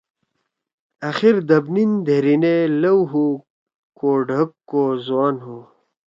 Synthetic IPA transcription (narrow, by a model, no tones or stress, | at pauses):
ɐxiɾd̪ɐbnind̪ʱeɾinelɐwɦu | koɖʱɐkːozwaːnɦu